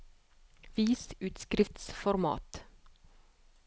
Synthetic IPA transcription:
ʋiːsʉːt̪skɾɪft̪sfɔɾmɑ̰ːt̪

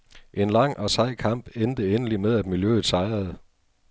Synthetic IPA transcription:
ʔe̝nlɑ̈ŋ̰ɒ̽sɑ̈ɪ̰kʰɑ̈m̰b̥end̥əenəlimeðˠæd̥̚miljø̰ːð̩ˠsɑ̈ɪɐð̩ˠ

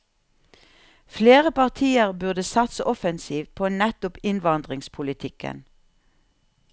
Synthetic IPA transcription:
fleːʁəpɑʁt̪ʰiːəʁbʉʁd̪əsɑt̪səʔɔfɛnsiːft̪̚pʰoːnɛt̪ʊpɪnʋɑnd̪ʁɪŋspʰʊlɪt̪ʰɪkə̰n

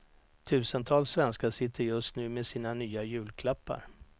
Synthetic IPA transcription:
t̪ʰʉ̟ːsənt̪ʰɑːlsːvɛnskaʂɪt̪ʰːəɾjɵst̪nʉ̟ːmɛsiːnanyːajʉ̟ːlkʰlapːa̰ɾ

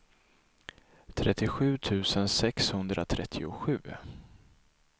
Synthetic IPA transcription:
t̪ʰɾɛt̪ːɪɧʉ̟ːt̪ʰʉ̟ːsənsɛkshɵnd̪ɾa̰t̪ʰɾɛt̪ʰːɪʊɧʉ̟ː

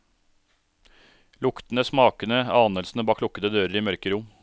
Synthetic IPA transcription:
lʊkt̪nəsmɑːkənəɑːnəlsn̩əbɑːklʊkət̪əd̪øːɾəɾiːmœɾkəɾʊm

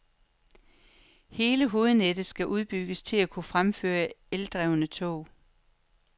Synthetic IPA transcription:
he̝ːləɦo̝ːð̞̩ˠned̥ð̩ˠsɡ̥æʔuð̞ˠb̥yɡ̥əst͡sʰe̝lækʰufʁamfø̰ːɐeld̥ʁɛʊnət͡sʰɔ̰ː

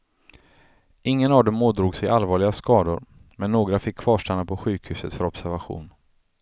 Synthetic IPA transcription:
ɪŋːənavd̪ɔmoːd̪ɾuːɡsɛjalvɑːɭɪɡaskɑːd̪ʊ̰ɾmɛnːoːɡɾafɪkʰːvɑːʂt̪anːapʰɔɧʉ̟ːkhʉ̟ːsət̪fœɾɔb̥sæɾvaɧṵːn

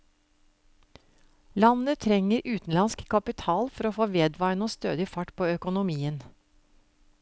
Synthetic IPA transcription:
lɑnət̪ʰɾɛŋəɾʔʉːt̪n̩lɑnskkʰɑpɪt̪ʰɑːlfɔɾoːfoːʋeːd̪ʋɑɪnoːst̪øːd̪əiːfɑʈpʰoːœkʊnʊmiːən

